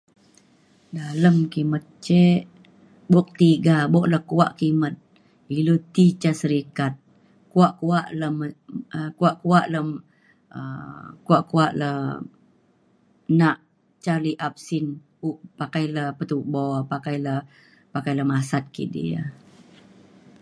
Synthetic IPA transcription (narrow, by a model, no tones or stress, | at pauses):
daləmkimət̪̚t͡ʃeʔ | bɔk̚t̪iɡabɔʔləhkua̰ʔkimət̪̚ | ilut̪it͡ʃasəɾikat̪̚ | kuaʔkuaʔləməkuaʔkuaʔləm | ə̰kuaʔkuaʔlə | naʔ | t͡ʃaliʔap̚sin | uʔpakajləpət̪ubɔpakajlə | pakajləmasat̪̚kḭdḭa̰